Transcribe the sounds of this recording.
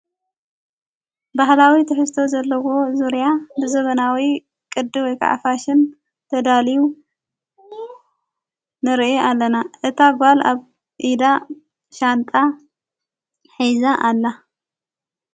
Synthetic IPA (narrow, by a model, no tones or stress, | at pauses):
baɦlawit̪ʰɨħɨst̪ʰo̞zɐlːɐwo̞zuɾjabɨzɐβɐnawi | kʼɨd̪ːɨwɔjkʰa̰ʕa̰faʃɨn | t̪ʰɐd̪aliu | nɨɾʔeʔalːɐnaʔɨt̪ʰaɡʷalʔaβ | ʔid̪a | ʃant̪ʼa | ħijzaʔalːa